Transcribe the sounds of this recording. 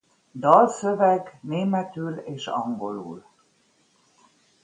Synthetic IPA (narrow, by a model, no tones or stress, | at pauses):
d̪ɒlsøvɛɡneːmɛt̪yleːʃɒ̰ŋɡo̞lṵːl